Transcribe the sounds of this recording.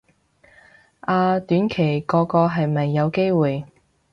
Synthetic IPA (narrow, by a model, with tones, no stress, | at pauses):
ʔaː˧t̪yː˨˥nkʰe˨˩jkɔː˧kɔː˧ɦɐ˨jmɐ˨jːɐ˨˧wke˥jwuː˨j